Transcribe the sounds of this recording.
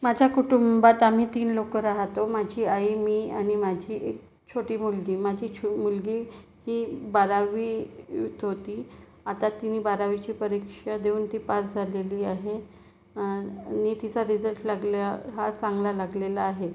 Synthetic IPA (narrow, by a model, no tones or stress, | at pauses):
mad͡ʑʱjakuʈumbat̪am̤iːt̪iːnlokəɾaɦt̪omad͡ʑʱiːaimiːañimad͡ʑʱiːʔek | t͡ɕʰoʈiːmulɡiːmad͡ʑʱiːt͡ɕʰmulɡiː | hiːbaɾaʋiːt̪ɦot̪iː | at̪at̪inibaɾaʋit͡ɕiːpəɾikʂad̪euːnt̪iːpasd͡zʱaleliːaɦe | nit̪it͡saɾid͡zəlʈlaɡlaɦat͡saŋɡlalaɡlelaːɦe